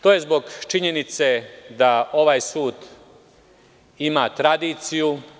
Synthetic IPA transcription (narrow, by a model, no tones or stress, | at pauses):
t̪oːje̞zbo̞ɡt͡ʃiɲe̞nit̪sed̪ao̞ʋaːjsuːd̪ | imaːt̪ɾad̪iːt̪siju